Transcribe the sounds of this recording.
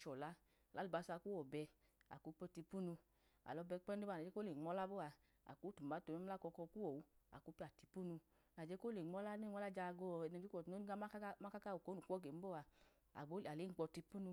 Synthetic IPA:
t͡ʃɔ˨la˨˦˨ | la˨˦lu˨ba˨˧˦sa˧ku˦ɔ˨bɛ˧ | a̰˨ku˨˧˦pɔ˧˦ti˧pu˦nu˧ | a̰˨lɔ˧bɛ˧k͡pɛ˦n˦u˦ba˦˨na˨d͡ʒe˨˦ko˦le˨ŋ͡mɔ˦la˦bo˦˨a˧ | a̰˨ku˨˦tu˨m˨ba˨˦to˧˨mɛ˦a˦˨kɔ˧kɔ˧ku˦wo˨wa̰˨ku˨˧˦pi˦a˨ti˧pu˦nu˧ | na˨d͡ʒe˦ko˦le˨ŋ͡mɔ˦la˦ne˦˨ŋ˦ɔ˦la˦d͡ʒa˧ɡɔ˧˨nɛ˧˨˦i˦kɔ˨no˦ɡa˦ma˦ka˦ka˦o˨ko˨˦nu˨˦ɔ˦ɡe˨m̩˦bo˦˨a˧ | a̰˨ɡ͡bo˨˦˨a˨le˨˦˨k͡pɔ˧˦ti˧pu˦nu˧

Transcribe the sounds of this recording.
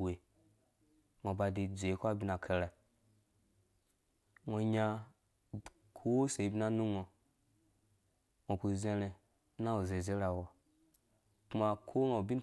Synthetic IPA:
e˨ | ŋo˨ba˧de˨d͡ze˨˦kʷa˦bʲi˦na˨kʰe˧ɾa˨ | ŋo˨˧ɲa˧ | kʰo˦se˨i˨bi˨na˦nu˦ŋa˨ | ŋʷo˨ku˨ze˧ɾe˨˦ | na˦o˨ze˨ze˨˦ɾa˨wa˨ | kma˧kʰo˦no˨bi˦n˦

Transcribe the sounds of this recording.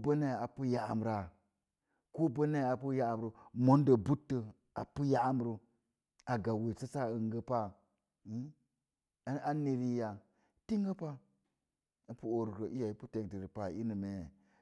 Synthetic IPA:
bə˦ne˦˨a˨pu˦ja˨m˨ɾa˨ | ko˦bə˦ne˦˨a˨pu˦ja˦˨m˨ɾu˨mo˨˦n˦də˨bu˦tːə˨ | a̰˨pu˦ja˦ʔm˨ɾu˨ | a˨ɡa˨we˨sa˦sa˦ə˨ŋɡə˦pa˦ | i˦ | a˦ne˨ɾi˦ja˨ | ti˦ŋɡə˦pa˦ | ə˦pu˦o˨ɾu˨kə˨ʔi˦ja˨i˦pu˦te˨ŋti˨ɾi˨pa˨i˦nɨ˨me˨je˨

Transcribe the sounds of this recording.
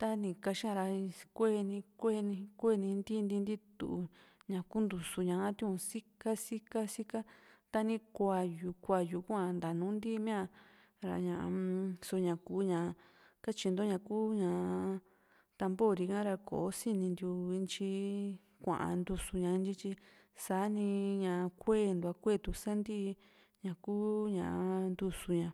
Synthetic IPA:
t̪a˦nĩ˧ka˧ʃi˦ã˧ɾa˧kʷe˦˧nĩ˧kʷe˦˧nĩ˧kʷe˦˧nĩ˧nd̪i˦˧nd̪i˧nd̪i˦t̪ṵ˧ʔu˧ɲã˨ku˦nd̪u˧su˧ɲã˧ã˦t̪ĩ˦ũ˧si˦ka˦si˦ka˦si˦ka˦t̪a˧nĩ˧kʷa˧˨ju˧kʷa˧ju˧˨˧ku˦ã˧nd̪a˨nũː˨˦nd̪i˦˧mĩ˦ã˧ | ɾa̰˧ɲã˧ʔã̰˧so˧ɲã˨kuː˧˦ɲã˨˧ | ka˦t͡ʃi˧nd̪o˦ɲã˧kuː˦ɲã˨˧ | t̪a˧mbo˦˨ɾi˧kã˦ɾa˧ko̰˨o˦si˦nĩ˧nd̪u˧i˧nt͡ʃi˧ | kʷã̰˨ʔã̰˧nd̪u˧su˧ɲã˧nt͡ʃi˧t͡ʃi˧ | saː˨˦nĩ˧ɲã˨˧kʷeː˦˨nd̪u˧a˧kʷe˦˨t̪u˧˨sa˦nd̪i˦˧ | ɲã˨kuː˦ɲã̰˧˨ʔnd̪u˧su˧ɲã˧

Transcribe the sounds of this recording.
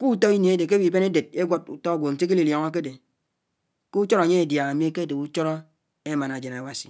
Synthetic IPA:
ku˦to˦ɣi˦nje˨e˦de˨k̬e˦bi˨be˦ne˦de˨d̚e˦ɡʷo˦t̚u˨tɔ˦a˦ɡʷo˨n̩˨te˦k̬e˦li˨ljɔ˨ŋɔ˦k̬e˦de˨ | ku˦t͡ʃo˦ɾɲe˦e˨dja˨a˨mi˦e˦ke˦de˨ku˦t͡ʃo˦ɾɔ˦ | e˦ma˨na˨d͡ʒe˨na˨wa˨si̥˨

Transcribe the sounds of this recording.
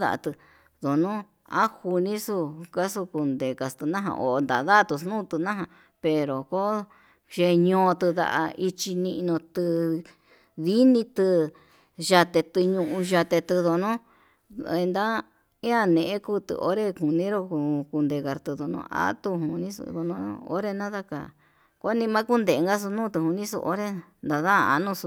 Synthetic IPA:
ða̰˧ʔa̰˧t̪ɨ˧ | ðo˨nũ˦ | a̰˦hu˧nĩ˦su˧ka˦su˧ku˧nd̪e˨ka˧st̪ɨ˧nã˦ɦã̰˧˨ʔo̰˨˧nd̪a̰˨˧ða˦˧t̪u˧s̬nũː˦˧t̪ɨ˧nã˦ɦã˧ | pe˧ɾo˨ko˦ | ʒe˧ɲõː˧t̪ɨ˧ða̰˧ʔa̰˧i˧t͡ʃi˧nĩ˧ʔnõ˧t̪ɨ˧ | ði˦nĩ˧t̪ɨ˧ | ʒa˧t̪e˧t̪ɨ˧ɲũ˧ʔũ˧ʒa˧t̪e˧t̪ɨ˧ðo˧nõ˦ | e˧nd̪a˦ | ĩ˦ã˧nẽ˨˧ʔẽ˦ku˦˧t̪ɨ̰˧˨ʔo̰˦ɾe˧ku˨nĩ˦ɾo˧ku˧ku˧nd̪e˧˨ka˨ɾt̪ɨ˧ðo˧nõ̰˧˦ʔa̰˦t̪u˧ɦu˨nĩ˦sṵ˧ðo˧nõ̰˦˧o̰˧˦ɾe˦˧nã˦ða˧ka̰˨ | ko˦nĩ˧mã˦ku˦nd̪e˨˧ŋɡa˦s̬u˧nũː˦˨˧t̪ɨ˧˨hu˧nĩ˦sṵ˧ʔo̰˦ɾe˧nd̪a˨ða˦˧a̰˧nũ˦˧su˧

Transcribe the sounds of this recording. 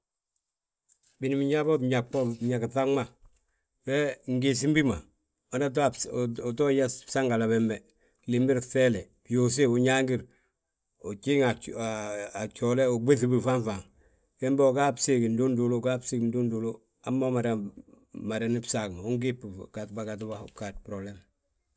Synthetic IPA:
bi˨ni˨mi˨ɲa˦bo˦bɲa˨kpo˦ɲa˨kθa˦ŋma˦ | fe˦ŋɡi˨s̬i˦mbi˦ma̰˨ | o˨na˦tː | tɔ˦jḁ˦sa˦ŋɡa˨la˨bɛ˨mbɛ˨ | li˨mbi˦ɾθe˦le˨ | bjo˨s̬e˦u˨ɲa˦ŋɡi˦ɾ | u˨t͡ʃi˦ŋaː˨ | t͡ʃole˦u˨be˦θi˦bi˨fa˦nfa˨ŋ | ke˦mbe˦o˨ka˦psiki˨ndu˦ndu˨lu˦ka˦psi˦kndu˦ndu˨lu | a˦mːa˦ma˨da˨ | ma˨da˨ni˦psakma˨u˦ŋɡipːkatbakatbakat̚pɾoble˦m

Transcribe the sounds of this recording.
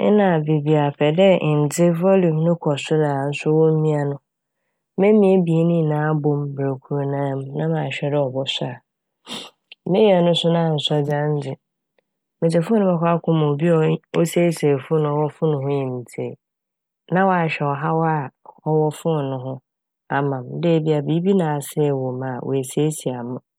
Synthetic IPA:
ɛ̰˦nã˨be˨bi˨a˨pʰɛ˨dɛ˦˨n̩˨d͡zɪ˦vɔ˦lu˨˦nʊ̃˦kʰɔ˨sʊ˦na˨n̩˦sʊ˦wɔ˦m̩˦mĩ˦a˨nʊ̃˦ | mẽ˦mĩ˨˦e˦bi˨e˦nĩ˦˨nãː˨˦a˦bõ˦mbɾa˨kʷʰu˨ɾnãː˦m˦nã˦mã˨ɕᶣɛ˦dɪ˦ɔ˨bɔ˦sʊ˦a˨ | mɪ̃˦ja˨nʊ̃˦sʊ˦nã˦˨sɔ˦d͡zã˦n˦d͡zɪ˨ | mɪ̃˨d͡ʑɛ˨fʊ˦nʊ̃˦bɛ˦kʷʰa˦kʰʊ̃˦mã˨o˨bi˦ɔ˨o˦se˦se˨fʊ˦nʊ̃˨wɔ˦fʊ˦nʊ̃˨ɦʊ̃˦jĩ˨m˨tʰe˨ | nã˦wa˨ɕᶣɛ˨ɔ˨ɦa˦wɔ˦a˦˨hɔ˦wɔ˦fʊ˦˨nʊ̃˦ɦʊ̃˦ | a˨mã˨mde˦˨˦bi˦a˨biː˨˦bi˦nãː˨sɛ˦˨wo˨mã˨wʔæ˨se˦si˨a˨mʊ̃˦

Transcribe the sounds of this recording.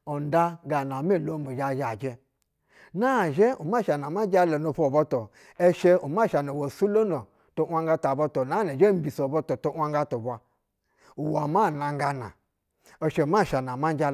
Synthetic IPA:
o˨n˦da˦ɡa˨na˨me˦˨lo˦mu˨d͡ʒa˨ʒa˨d͡ʒe˦ | na˦˨ʒe˦u˨ma˦˨ʃa˨na˨ma˦d͡ʒa˦lo˨no˨ɸo˨bo˦to˨ | e˦ʃe˦u˨ma˦˨ʃa˨no˨wo˨su˦lo˦no˨ | to˦ʔʷa˦ŋɡa˦ta˨bo˧to˨na˦ne˨ʒe˦m̩˦bi˨so˨bo˦to˨to˦ʔʷa˦ŋɡa˦to˨bʷa˨ | u˨wa˨ma˦˨na˨ŋ˦ɡa˧na̰˨ | o˨ʃe˨u˨ma˦˨ʃa˨na˨ma˦n˦d͡ʒa˦˨

